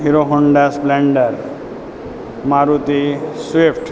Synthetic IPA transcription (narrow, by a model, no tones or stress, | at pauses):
ɦiɾoɦɔɳɖaspbleɳɖəɾ | maɾut̪isʋipʰʈ